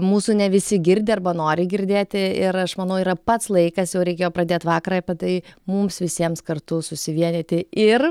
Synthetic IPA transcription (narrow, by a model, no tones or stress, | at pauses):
muːsʊnʲɛʋʲɪsʲɪɡʲɪɾʲd̪ʲɪɐrbɐnoːɾʲɪɡʲɪɾʲd̪ʲeːt̪ʲɪɪɾɐʃmɐnɐʊiːɾɐpɐt̪slˠɐɪkɐsjɛʊɾʲɛɪkʲeːjoːpɾɐd̪ʲeːt̪ʋɑːkɐɾɐɐpʲɛt̪ɐɪmʊmsʋʲɪsʲiɛmskɐrt̪ʊsʊsʲɪʋʲiɛnʲet̪ʲɪɪr